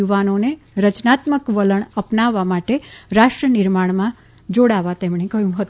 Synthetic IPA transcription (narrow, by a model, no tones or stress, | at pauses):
uʋanone | ɾət͡ʃnat̪məkʋələɳəpnaʋːamaʈeɾaʃʈɾənɪɾmaɳ̃mã | d͡ʒoɽaʋat̪emɽekəɦjũɦət̪